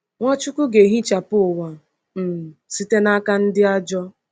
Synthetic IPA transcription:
ŋʷa˦t͡ʃu˦ku˦ɡe˨ɦi˦t͡ʃa˨pʊ˦˨wa˨ | m̩˨si˦te˦na˦ka˦n̩˦dɪ˦a˦d͡ʒɔ˦

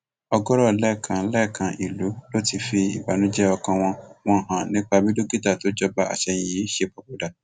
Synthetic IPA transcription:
ɔ˧ɡɔ˦ɾɔ˦˨lɛ˦˨kʰã˧˦lɛ˦˨kʰã˧ʔi˨lu˨˦lo˦ti˦˨fi˧ḭ˨ba˨˦nũ˦d͡ʒɛ˦ɔ˧kã˧w̃ɔ̃˧w̃ɔ̃˧˦ɦã˨nĩ˦k͡pa˧bĩ˦do˦ɡi˦ta˦˨to˨˦d͡ʒɔ˦ba˧a̰˨ʃɛ˧j̃ĩ˨ji˨˦ʃe˧k͡pa˧k͡po˨da˨

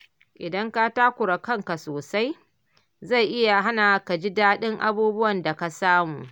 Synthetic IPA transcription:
ʔɪ˨dɐ˦ŋka˦ta˦kʷʊ˨ɾɐ˨kɐ˦˨ŋka˨soː˨sa˦j | za˦˨jʔɪ˦ja˨ɦa˦na˨ka˨d͡ʒi˦daː˦ɗɪ˦ŋʔa̰˦buː˦bʊ˦wɐ˨nda˨ka˨saː˦muː˨

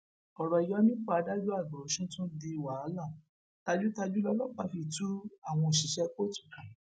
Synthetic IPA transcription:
ɔ˨ɾɔ˧˨jɔ˦nĩ˦k͡pa˧a˧da˦d͡ʒu˦a˦˨ɡɔ˨o˨˦ʃũ˦tũ˦de˧˨wa˨˦la˦˨ | ta˧d͡ʒu˦ta˧d͡ʒu˦lɔ˦lɔ˦˨k͡pa˧fi˧˨tu˦a˦˨w̃ɔ̃˧˨ʃi˨ʃɛ˧˦k͡po˦tu̥˦˨kã˨˦

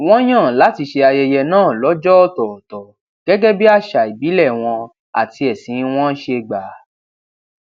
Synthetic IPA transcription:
w̃ɔ̃˦j̃ã˦˨la˨˦ti˧ʃe˧a˧jɛ˧jɛ˧nãː˦˨lɔ˨˦d͡ʒɔ˦ɔ˦˨tɔ˨tɔ˨ | ɡ̥ɛ˦ɡɛ˦bi˦a˦˨ʃa˨i˨bi˨˦lɛ˦˨w̃ɔ̃˧ | a̰˨ti˧ɛ˨sĩ˨˦˧w̃ɔ̃˦ʃe˧ɡ͡ba˨˦

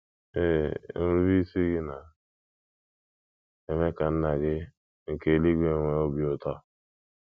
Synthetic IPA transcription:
e˦n̩˦ɾu˦vi˦si˦ɡɪ˦na˨ | e˨me˦ka˨n̩˦na˨ɡɪ˦ | ŋ̩˨ke˦˨li˦ɡʷe˦˨ŋʷe˦o˦bi˨o˦tɔ˦

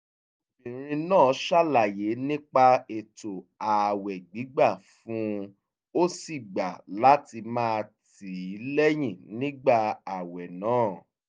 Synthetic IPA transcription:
bĩ˨ɾ̃ĩ˧nãː˦˨˦ʃa˦˨la˨je˨˦nĩ˦k͡pa˧e˨to˨a˨wɛ˨ɡ͡bi˨˦ɡ͡ba˦˨fũ˨˦ | o˦si˦˨ɡ͡ba˨la˨˦ti˧mãː˦˧t | i˨i˨˦lɛ˦j̃ĩ˦˨nĩ˦ɡ͡ba˦˨a˨wɛ˨nãː˨˦˨

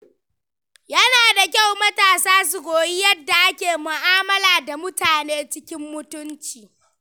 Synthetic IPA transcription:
jɐ˦naː˨da˨kʲa˦˨wmɐ˦taː˨saː˦s̬u˨ɡʷoː˨ji˦jɐ˦dːa˨ʔa˦kʲeː˨mʊ˨ʔaː˦mɐ˦laː˨da˨mʊ˦taː˨neː˦t͡ʃɪ˦kʲɪ˦mːʊ˦tʊ˦nt͡ʃiː˨

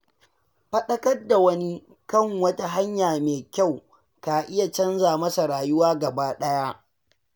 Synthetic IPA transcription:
ɸɐ˦ɗɐ˦kɐ˦rda˨wɐ˦ni˦ | kɐ˦˨ŋwɐ˦ta˦ɦa˦ɲjaː˨meː˨kʲa˦˨w | kaː˨ʔɪ˦ja˨t͡ʃɐ˦nzaː˨mɐ˦sa˨ɾaː˨jʊ˦waː˦ɡɐ˨baː˦ɗɐ˦ja˦ʔ

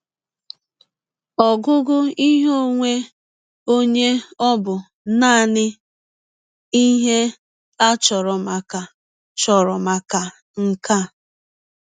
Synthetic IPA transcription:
ɔ˨ɡʊ˦ɡʊ˦i˦ɦo˦ŋʷe˦ | o˦ɲe˦ɔ˦bʊ˨ | naː˦˨nɪ˦ | i˦ɦe˦ | a˦t͡ʃɔ˨ɾɔ˨ma˨ka˨ | t͡ʃɔ˨ɾɔ˨ma˨ka˨ | ŋ̩˨ka˦

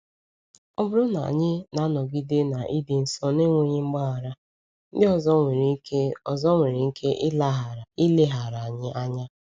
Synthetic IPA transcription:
ɔ˦bʊ˦ɾʊ˦na̰˨a̰˨ɲɪ˦na˨˦nɔ˨ɡi˦de˦na˨ʔi˦dɪ˨n̩˨sɔ˦ne˦ŋʷo˦ɲe˦ŋ͡m̩˦ɡ͡ba˦a˨ɾa˦ | n̩˦dɪ˦ɔ˨zɔ˦ŋʷe˨ɾi˨˦ke˦ɔ˨zɔ˦ŋʷe˨ɾe˨ŋ̩˦kʰe˦ʔla˦ɦi˦le˦ɦa˨ɾa˨a˨ɲɪ˦ʔa˦ɲa˦

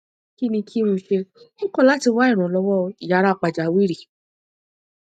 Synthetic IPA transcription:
ki˦nĩ˧kʰi˦ũ˧ʃe˧ĩ˦kɔ̃˦˨la˨˦ti˧wa˦i˦˨ɾ̃ɔ̃˨lɔ˧wɔ˦˧i˨ja˨˧ɾa˦˧˨k͡pa˨d͡ʒa˨˦wi˦ɾi˨

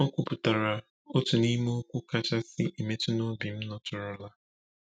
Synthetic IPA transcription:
ɔ˦kʷʊ˦pʊ˨ta˨ɾa˨ | o˦tu˨ni˦mo˦o˦kʷu˦ka˦t͡ʃa˦sɪ˦ʔi˨me˦ti˦no˦bi˨m̩˦nɔ˦tʊ˨ɾʊ˨la˦

